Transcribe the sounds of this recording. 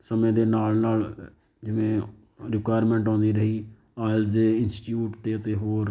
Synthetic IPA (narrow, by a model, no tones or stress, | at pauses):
səmẽːd̪eːnaːlnaːl | d͡ʒɪʋẽː | ɾɪkaːɾmɛ̃ːɳʈɔ̃ːnd̪iːɾəɦiː | aːɪlzeːɪnsʈjuːʈt̪eːət̪eːɦoːɾ